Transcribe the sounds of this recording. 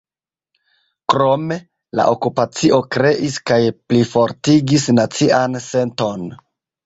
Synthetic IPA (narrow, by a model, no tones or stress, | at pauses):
kɾo̞me̞ | la̰ʔo̞kupat͡siʔo̞kɾe̞ʔiskajplifo̞ɾtiɡisnat͡sianse̞nto̞n